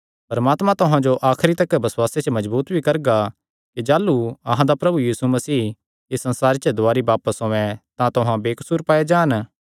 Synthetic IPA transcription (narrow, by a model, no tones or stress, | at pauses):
pɾɐmaːt̪mãt̪ʊɦãd͡ʒoʔaːkʰɾit̪ɐkːɛbɐswaːset͡ʃəmɐd͡ʒbuːt̪bʱikɐɾɡa | kid͡ʒaːluɐɦãd̪apɾɐbujiːsumɐsiː | ɪsːɐ̃nsaːɾet͡ʃəd̪ʊaːɾibaːpəsõːɛ̃t̪ãt̪ʊɦãbeːkɐ̥suːɾpaːed͡ʒãːn